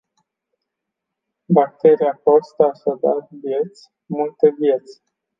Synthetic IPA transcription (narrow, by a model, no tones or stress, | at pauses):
bak̚t̪e̞ɾijako̞st̪aːʃad̪arvje̞t̪sʲ | mult̪e̞vje̞t̪sʲ